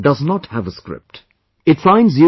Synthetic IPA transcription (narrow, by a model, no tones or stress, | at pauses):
ɖʌznɔʈhævəskɾɪ̰p̚ʈ | ɪtsãɪ̃nzju